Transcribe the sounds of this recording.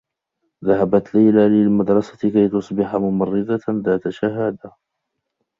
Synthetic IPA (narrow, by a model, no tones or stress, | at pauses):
ðaɦabat̪lajlalɪlmad̪ɾˤɑsḁkajt̪ʊsˤbɪħamʊmɑrˤːɪd̪aðaːt̪aʃaɦaːd̪a